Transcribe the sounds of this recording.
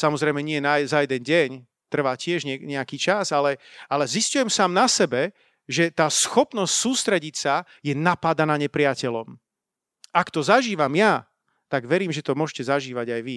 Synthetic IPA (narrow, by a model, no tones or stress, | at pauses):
samɔzɾɛjmɛɲɪɛjɛnazajɛd̪ɛnɟɛɲ | t̪r̩ʋaːcɪɛʒɲɛɲɛakiːt͡ʃasalɛalɛziscujɛmsaːmnasɛbɛ | ʒɛt̪aːsxɔpnɔscsuːst̪ɾɛɟicsa | jɛnapad̪anaːɲɛpɾɪacɛlɔ̰m | akt̪ɔzaʒiːʋamja | t̪aɡʋɛɾiːmʒɛt̪ɔmʊɔʃcɛzaʒiːʋaɟajʋi